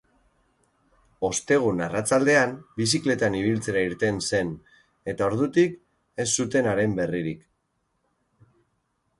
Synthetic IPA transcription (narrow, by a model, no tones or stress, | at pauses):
o̞st̪e̞ɣ̞unarat͡sald̪e̞ambisikle̞t̪aniβ̞ilt͡se̞ɾaiɾt̪e̞nse̞n | e̞t̪ao̞ɾð̞ut̪ik | e̞sːut̪e̞naɾe̞mbe̞riɾik